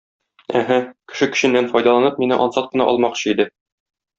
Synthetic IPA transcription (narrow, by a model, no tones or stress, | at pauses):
æɦækɘ̥̆ʃɘkɘ̆ɕɘ̆nːænfɒjd̪ɑlˠɑnɤp̚minɘʔɒnsɑt̪̚qɤ̆nɑ̰ʔɒ̰lˠmɑqɕɤid̪ɘ